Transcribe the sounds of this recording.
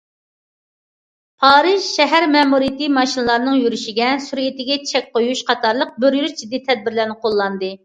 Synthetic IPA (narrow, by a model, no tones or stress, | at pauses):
pʰɑːɾɨʒʃɛɦæɾmɛmuɾijɪt̪ɨmɑʃinɨlˠɑɾnɨŋjyɾyʃiɡʲɛsuɾit̪ɪɡʲɛt͡ʃʰɛk̚ʲqojuʃqɑt̪ʰɑɾlˠəq̚bøɾjyɾd͡ʒid̪ːit̪ʰɛd̪̚bɪɾlæɾnɪqʰolˠːɑnd̪ɨ